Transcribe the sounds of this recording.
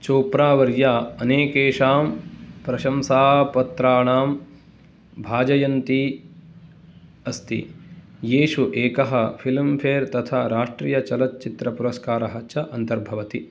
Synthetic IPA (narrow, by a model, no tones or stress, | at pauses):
t͡ʃoːpɾaːʋɐɾjaːɐneːkeːʂaːmpɾɐʃɐmsaːpɐt̪ɾaːɳaːm | bʱaːd͡ʒɐjɐnt̪i | ɐst̪ḭjeːʃuʔeːkɐɦɐpʰilmpʰeːɾt̪ɐt̪ʰaːɾaːʂʈɾiːjɐt͡ʃɐlɐt̪̚t͡ʃit̪ɾɐpuɾɐskaːɾɐɦɐt͡ʃɐʔɐnt̪ɐɾbʱɐʋɐt̪i